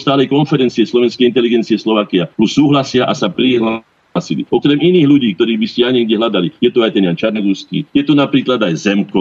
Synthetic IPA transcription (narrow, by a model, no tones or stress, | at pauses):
st̪aːlɛjkɔnfɛɾɛnt͡siɛslɔʋɛnskɛjint̪ɛliɡɛnt͡siɛslɔʋaːkiat̪usuːɦlasɪaʔasapɾiɦla | silḭɔkɾɛminiːɣʎuɟiːkt̪ɔɾiːɣbiscɛjaɲɛɡɟɛɦlad̪alijɛt̪uajt̪ɛnjant͡ʃaɾnaɡuskḭːjɛt̪unapɾiːklad̪ajzɛmkɔ